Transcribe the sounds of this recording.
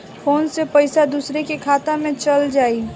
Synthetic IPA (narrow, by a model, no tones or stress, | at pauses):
fʰoːnsepɐɪsad̪uːsɾekekʰaːt̪amẽt͡ʃɐld͡ʒaːiː